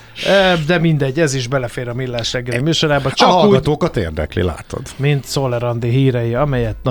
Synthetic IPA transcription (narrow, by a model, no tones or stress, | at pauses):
ød̪ɛmind̪ɛɟːɛziʒbɛlɛfeːɾɒmilːaːʃɾɛɡːɛllimyːʃoɾaːbɒt͡ʃɒhɒkluːɡɒt̪oːkɒt̪ḛːrd̪ɛ̰klḭla̰ːt̪o̞̰d̪mint̪solɛɾɒnd̪iɦiːɾɛjiɒmɛjɛt̪n